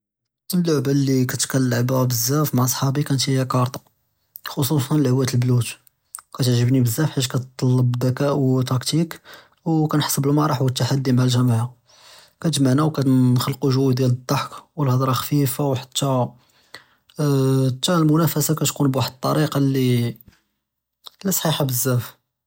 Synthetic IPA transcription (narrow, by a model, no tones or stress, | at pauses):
əlːʊʕbalːikæt̪kælːaʕbæbəzːæfmaʕsˤħɑbikænt̪jækɑɾˤt̪ˤɑ̥ | xosˤusˤɑnəlhəwːæt̪əlblut̪ | kæt̪əʕʒəbnibəzːæfħaʒkæt̪t̪ˤːɑlːəbd̪ækæʔwt̪ɑkt̪ik | wkænħɑ̥sˤəbəlmɑɾˤɑħwət̪ːaħad̪ːimʕælʒæmaʕa | kæt̪ʒmaʕnæwkæxəlquʒuwːid̪jæləd̪ˤːɑħkwəlhɑd̪ɾˤɑxfifawħḁt̪ːæ | t̪ːælmʊnæfæsakæt̪kunbwaħəd̪̚t̪ˤːɑɾiqɑlːi | lːæsˤħiħɑbəzːæf